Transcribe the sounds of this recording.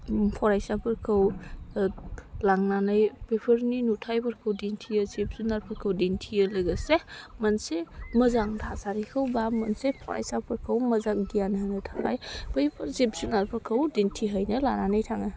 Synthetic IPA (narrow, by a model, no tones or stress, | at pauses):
pʰɔɾajsapʰɯɾkʰəw | laŋnanajpepʰəɾninutʰajpɐɾkʰɯwdentʰiəzep̚zunaɾpʰɐɾkʰəwdentʰiəlɐɡəsemɐnsemɐzaŋtʰazaɾikʰəwbamɐnsepʰɔ̰ɾa̰jsapʰɯɾkʰəwmɐzaŋdijanɦanɯtʰaa̰jb̥əjpʰɐɾzepzunaɾpʰɯɾkʰəwdentʰiɦəjnɐla̰nanajtʰaŋɐ